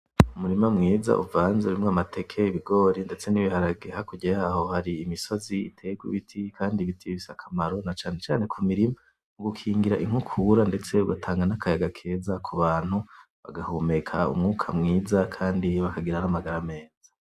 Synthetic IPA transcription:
umuɾimamŋiːza̰ʔṵvaːnzeuɾimŋoamatʰe̞kʰe̞iβiɡo̞ːɾinde̞t͡se̞niβihaɾaɡehakuɟajaːɦo̞haɾiːmiso̞ziitʰe̞ːɡwṵβitʰikʰaːndiβitʰiβisakʰamaɾo̞nat͡ʃaːne̞t͡ʃaːne̞kʰumiɾima | uɡukʰiːŋɡiɾaʔiŋ̥hukʰuːɾande̞t͡se̞uɡatʰaːŋɡanakʰajaɡakʰe̞ːzakʰuβaːn̥hu | βa̰ɡahumekʰa̰ṵmŋuːkʰamŋiːzakʰaːndiβakaɡiɾanamaɡaɾame̞ːz̥a

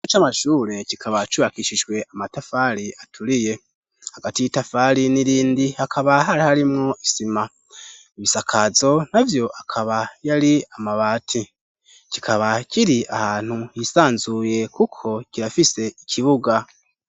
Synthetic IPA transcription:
t͡ʃamaʃuːɾe̞cikʰaβat͡ʃuβakiʃiʒɡwe̞ʔamatafaɾiʔatʰuɾije̞ | haɡatijitafaɾiniɾiːndihakʰaβaɦaɾihaɾimŋo̞ʔisima | iβisakʰazo̞navjo̞ʔakʰaβajaɾiamaβaːtʰi | kikʰaβakiɾiʔahaːn̥hujisaːnzuje̞kukʰo̞kiɾafise̞ikʰiβuɡa

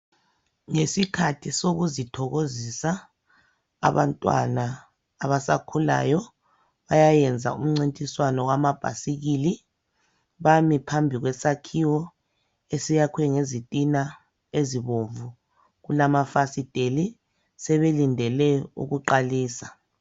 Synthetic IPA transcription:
ŋesikʰatʰisoɣuzitʰɔɣozisa̰ː | βantʼwa̰naː | βasa̰kʰula̰ːjɔ | βajajɛnd͡zʱa̰ṵm̩ŋ͡ǀintʼiswanɔwamab̥ʱa̰siɣiːli | βamipʰambʱiɣwɛsakʰiwɔ | esijakʰwɛŋezitʼina | eziβoɱvu | ɣulamafasid̥ʱeli | sɛβelindʱɛlɛṵɣuǃaliːsa

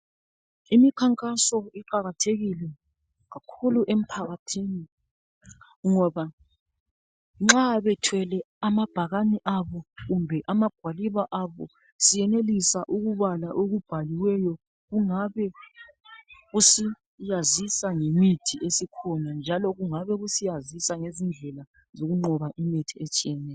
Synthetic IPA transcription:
imikʰaŋkʼasɔiǃaɣatʰeɣilɛ | ɣakʰuluʔem̩pʰaɣatʰini | ŋɔβa | ŋ͡ǁaβɛtʰwɛlɛ | amab̥ʱaɣaniʔaβɔɣumbʱɛʔamaɡ̥ʱwaliβaʔaβɔ | sijɛnelisaʔuɣuβalaʔoɣub̥ʱaliwɛjɔ | ɣuŋaβɛ | ɣusi | jazisaŋemitʰiʔesikʰɔnand͡ʒʱalɔɣuŋaβɛɣusijazisaŋezind͡ɮʱɛla | zoɣuŋ͡ǃɔβaʔimitʰiet͡ʃʼijɛnɛːj

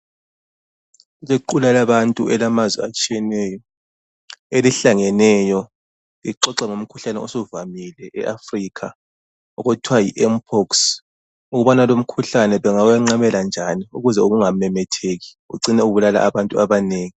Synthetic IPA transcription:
uɣeǃulalaβantʼuɛlamazwɛ̰at͡ʃʼijɛnɛjɔ | eliɬaŋɛnɛjɔ | ɣḭǃɔǀaŋom̩kʰuɬanɛɔsɔvamilɛʔɛʔafriːkʰa | ɔ̰ɣɔtʰwajiʔɛmpʰɔks | uɣuβanalom̩kʰuɬanɛβɛŋawaŋ͡ǀaβɛland͡ʒʱaniuɣuzɛoɣuŋamɛmɛtʰeːɣi̥ɣṵǀinɛuβulala̰ʔːβantʼuaβaneːŋi

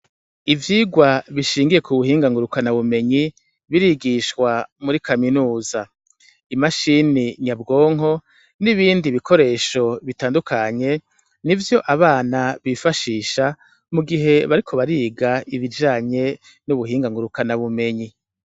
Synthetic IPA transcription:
ivjiːɡwaβiʃiːŋɡije̞kuβuhiːŋɡaŋɡuɾukanaβume̞ɲi | βiɾiɡiʃkwamuɾikʰaminuːza | imaʃiniɲabɡo̞ːŋ̥ɦo̞ | niβiːndiβikʰo̞ɾe̞ːʃo̞βitaːndukʰaɲe̞ | nivjo̞ʔaβaːnaβifaʃiːʃa | muɡiɦe̞βaɾikʰo̞βaɾiːɡaiβid͡ʒaːɲe̞ | nuβuɦiːŋɡaŋɡuɾukanaβume̞ɲi

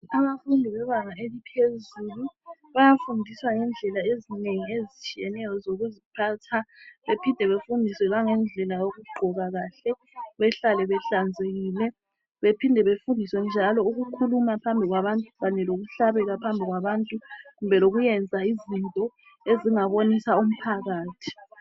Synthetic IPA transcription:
aβafundʱiβɛβaŋaelipʰezuːluβajafundʱiswaŋɛnd͡ɮʱɛlaezineŋiezit͡ʃʼijɛnɛjɔzoɣuzipʰaːtʰaβepʰindʱɛβefundʱiswɛɣaŋɛnd͡ɮʱɛlajoɣuɡ͡ǃʱɔɣaɣaːɬɛ | βɛɬalɛβɛɬand͡zʱeɣiːlɛ | βepʰindʱɛβefundʱiswɛnd͡ʒʱalɔuɣukʰulumapʰambʱiɣwaβantʼuβanɛloɣuɬaβɛɣapʰambʱiɣwaβantʼuɣumbʱɛloɣujɛnd͡zʱaizintʼɔ | eziŋaβonisaum̩pʰaɣaːtʰi̥

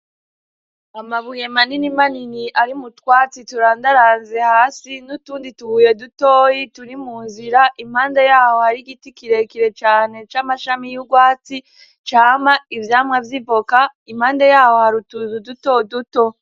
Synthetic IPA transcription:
amaβuje̞maninimaniniʔaɾimutwaːt͡situɾaːndaɾaːnze̞haːsinutuːndituhuːje̞dutoːjituɾimuːnziɾaʔim̥haːndejaːho̞haɾiɡitikiɾe̞kiɾe̞t͡ʃaːne̞t͡ʃaːmaʃamijuɡwaːt͡si | t͡ʃaːmaivjaːmŋavjipo̞kaim̥haːndejaːho̞haɾutuzuduto̞duto̞

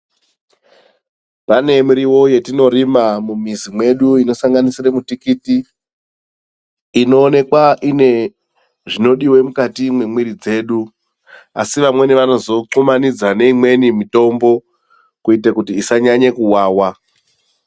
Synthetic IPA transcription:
pane̞muɾiwo̞je̞tino̞ɾimamumizimwe̞ɗuino̞saŋɡanisiramutikiti | no̞ːne̞kwaʔine | ʐino̞ɗiwe̞mukatimwe̞mwiɾid͡ze̞ːɗu | asiʋamwe̞neʋano̞zo̞ǀomanid͡zane̞imwe̞nimito̞mbo̞ | kuitakutiːsaɲaɲekuwaːwa

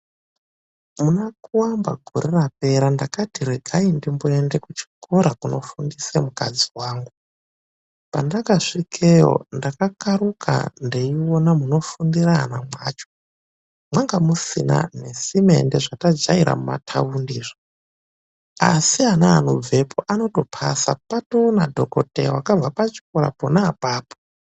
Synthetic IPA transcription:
munakuwamba̰ɡʱo̞̰ɾerap̚e̞ɾandakatiɾeɡʱaindimboende̞kut͡ʃi̥koɾakuno̞fundisemukad͡ziwaːŋɡu | pandakaʂikʰejo̞̰ndakakaɾukʰa̰nde̞iwonamuno̞fundiranamwaːt͡ʃo̥ | mwaŋɡamusḭna̰ne̞sime̞̰nde̞ʐatad͡ʒaiɾa̰muma̰tʰa̰undiːʐo | asianaːnob͡ve̞pʰoʔano̞to̞pʰa̰sa̰pato̞nadʱo̞ko̞te̞̰wakab͡vapat͡ʃi̥koɾa̰ponaːpaːpo̥

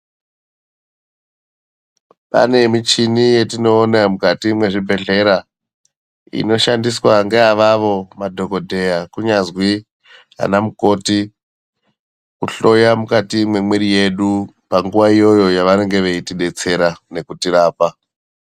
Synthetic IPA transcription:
pa̰ne̞mit͡ʃinije̞tino̞ːnamukatimwe̞ʐibʱe̞ɮe̞ɾa | ḭno̞ʃandiswaŋɡeaʋaʋo̞madʱo̞ko̞dʱe̞jakuɲazwi | ɦa̰namuko̞ti | kuɬo̞jamukatimwe̞mweɾije̞ɗu | paŋɡuʋaijo̞jo̞jaʋaɾeŋɡe̞ʋe̞itiɗe̞t͡se̞ɾane̞kutiɾaːpa

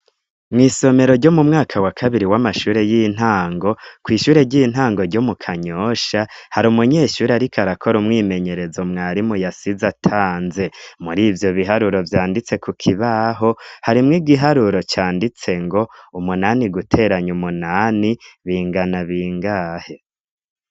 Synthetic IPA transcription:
mŋiːso̞me̞ɾo̞ɾɟo̞mumŋaːkʰawakʰaβiɾiwamaʃuːɾe̞jiːn̥ɦaːŋɡo̞kwiːʃuːɾe̞ɾɟiːn̥ɦaːŋɡo̞ɾɟo̞mukʰaɲoːʃahaɾumuɲe̞ːʃuːɾeaɾikʰaɾakʰo̞ɾumŋiːme̞ɲe̞ɾe̞zomŋaːɾimujasizatʰaːnze̞muɾiːvjo̞βiɦaɾuɾo̞vjaːndit͡se̞kukʰiβaɦo̞haɾimŋiːɡiɦaɾuɾo̞t͡ʃaːndit͡se̞ŋɡo̞umunaniɡutʰe̞ɾaɲumunaniβiːŋɡanaβiːŋɡaːhe̞

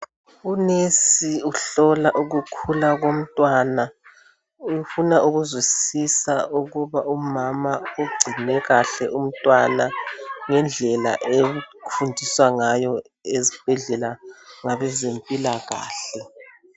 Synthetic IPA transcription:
unesiuɬɔlaʔuɣukʰulaɣom̩tʼwana | ufunaʔuɣuzwisisauɣuβaʔumamauɡ͡ǀʱinɛɣaɬɛʔum̩tʼwanaŋɛnd͡ɮʱɛla̰ʔeufundʱiswaŋajɔ | ezib̥ʱɛɮɛlaŋaβɛzempʼilaɣa̰ːɬɛ

